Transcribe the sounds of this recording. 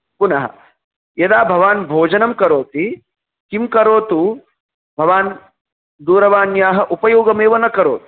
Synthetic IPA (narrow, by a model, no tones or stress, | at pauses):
punɐɦɐ̰ | jɐd̪aːbʱɐʋaːnbʱoːd͡ʒɐnɐmkɐɾoːt̪i | kimkɐɾoːt̪u | bʱɐʋaːn | d̪uːɾɐʋaːnjaːɦɐʔupɐjoːɡɐmeːʋɐnɐkɐɾoːt̪u̥